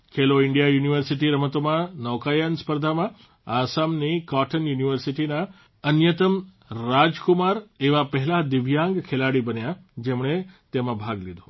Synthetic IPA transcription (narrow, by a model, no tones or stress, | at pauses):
kʰeloɪɳɖijajuniʋəɾsiʈiɾəmət̪omãnɔʋkajanspəɾd̪ʱamã | asamnikɔʈʰənjuniʋəɾsiʈina | ənjət̪əmː | ad͡ʒkumaɾeʋapəɦɛlad̪ɪʋjãŋɡkʰelaɽibənjad͡ʒemɳet̪emãbʱaɡlid̪ʱo